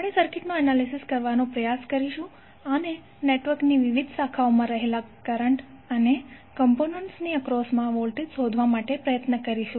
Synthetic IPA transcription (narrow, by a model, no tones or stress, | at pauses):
apɽesəɾkɪʈmãənalisiskəɾʋanõpɾəjaskəɾiʃũ | əne | neʈʋəɾkniʋiʋid̪ʱsakʰaomãɾəɦelakəɾəɳʈ | əne | kəmponəɳʈsniəkɾɔsmãʋolʈid̪sod̪ʱʋamaʈepɾəjət̪nəkəɾiʃũ